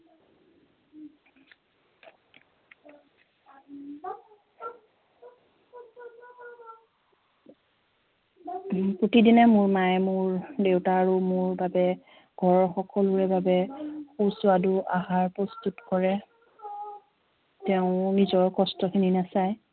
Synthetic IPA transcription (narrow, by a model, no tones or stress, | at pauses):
pɹotidinɛmʊɹmajmʊɹdewtaːɹumʊɹbabɛ | ɡ̥ʱɔɹxɔkɔlʊɹɛbabɛxusʊaduʔaɦaɹpɹɔstutkɔɹɛ | tɛʊ̃nizɔɹkɔstɔkʰininasaj